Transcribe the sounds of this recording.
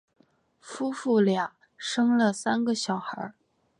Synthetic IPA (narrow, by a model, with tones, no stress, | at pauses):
fu˥fu˥˩lja˨˩ŋ | ʂɤ˥ŋlə˨sa˥nɡə˨ɕjɑ˨˩ʊxə̰˞˧˥